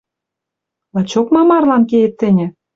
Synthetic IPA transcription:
lɑt͡ɕokmɑmɑrlɑnkeet̪ːɘ̆nʲɘ̆

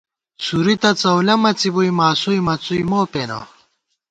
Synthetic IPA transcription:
suɾit̪ɐt͡sɐwlɐmɐt͡sibuimaːsuimɐt͡suimoːpeno̰

